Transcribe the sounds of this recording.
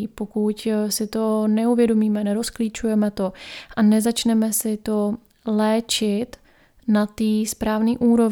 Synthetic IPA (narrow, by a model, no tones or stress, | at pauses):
po̞kucsɪt̪o̞nɛuvjɛdo̞miːmɛnɛɾo̞sklit͡ʃujɛmɛt̪o̞ʔanɛzat͡ʃnɛmɛsɪt̪o̞ | lɛːt͡ʃɪt̪ | nat̪iːspɾaːvniːʔuːɾo̞v